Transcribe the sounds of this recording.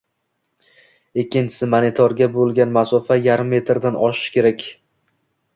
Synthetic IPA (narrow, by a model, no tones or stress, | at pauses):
ekʲːɪnt͡ʃʰɪ̥sɪmanɪt̪ʰɒɾɡʲabolˠɡʲanmasɒfajaɾɪmːe̞t̪ɾd̪anɒʃɪ̥ʃkʲʰe̞ɾakʲ